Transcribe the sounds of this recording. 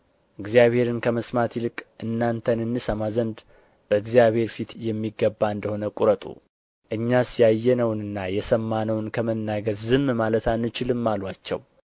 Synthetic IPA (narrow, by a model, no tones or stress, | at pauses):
ʔɨɡzijaβhe̞ɾɨnkʰəməsmat̪jilɨkʼʔɨnːant̪ʰənɨnːɨsəmazənd̪ | b̥əɨɡzijaβhe̞ɾfit̪jɛmːiɡːəbːaɨnd̪əho̞nəkʼuɾət̪ʼṵ | ʔɨɲːasjajːɛnəwnɨnːajɛsəmːanəwɨnkʰəmənːaɡəd̪zɨmmalət̪anːɨt͡ʃɪlɨmːalwat͡ʃːɛ̰w